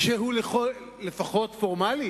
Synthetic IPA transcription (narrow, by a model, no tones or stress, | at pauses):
ʃeɦuleχo | lefaχo̞tfo̞ʁmali